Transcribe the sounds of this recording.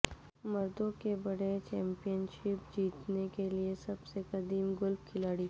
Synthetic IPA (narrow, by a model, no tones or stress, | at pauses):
mɐɾd̪õkebɐɽet͡ʃɛ̃ːmpijənʃɪp̚d͡ʒiːt̪nekeliesɐbsekɐd̪iːmɡʊlbkʰɪlaːɽiː